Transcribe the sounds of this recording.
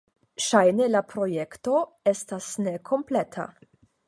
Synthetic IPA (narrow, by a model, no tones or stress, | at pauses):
ʃajnelapɾo̞jekto̞ | estasnekʰo̞mpletʰa̰